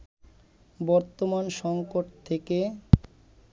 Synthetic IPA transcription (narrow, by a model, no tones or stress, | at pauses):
bɔɾt̪omanʃɔŋkoʈt̪ʰeke